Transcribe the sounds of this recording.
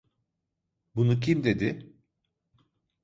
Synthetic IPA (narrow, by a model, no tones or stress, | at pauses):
bunuc̬ʰimd̪e̞d̪ɪ